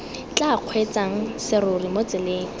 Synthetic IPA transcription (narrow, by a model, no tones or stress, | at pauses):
t͡ɬaq͡χʰwet͡sʼaŋ̩sɪɾorimot͡sʼɪleːŋ̩